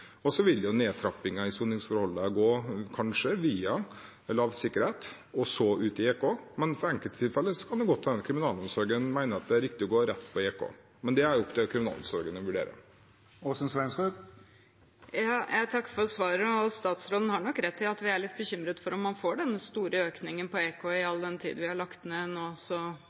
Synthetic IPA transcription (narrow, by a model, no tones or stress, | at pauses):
ɔsɔʋɪljʊneːt̪ʰɾɑpːɪŋɑɪsuːnɪŋsfɔɾhɔlːəɡoːkʰɑnʂəʋiːɑ | ɛlːəɑʋsɪkːəɾheːt̪ | ɔsɔʉːt̪ɪeːkoːmɛnfɔɾɛŋkəlt̪t̪ʰːɪlfɛlːəsɔ̥kʰɑnd̪ɛɡɔt̪ʰːd̪ɛnkʰɾɪmɪnɑːlɔmsɔɾɡənmæɪnəɑt̪̚d̪ɛæɾɪkt̪ɪɔɡoːɾɛt̪ːpʰɔeːkʰo̰ː | mɛnd̪ɛæɾjʊʊkd̪ɛkʰɾɪmɪnɑ̰lɔ̰msɔɾɡənəʋʉɖḛːɾə̰ | oːsnsʋɛnskʉ | jɑːjʔæɪt̪ʰɑkːfɔɾsʋɑːɾəɔst̪ɑːt̪sɾoːd̪n̩hɑɳɔkːɾɛt̪ʰːɪlɑt̪ʋɪæɭɪt̪̚ːbəçʏmɾət̪fɔɾɔmːɑnfoːɖɛnːəst̪uːɾəøːknɪŋənpɔeːkʰoɪɑlːd̪ɛnt̪ʰḭd̪̩ʋɪhɑɭɑkt̪neːnoːsɔ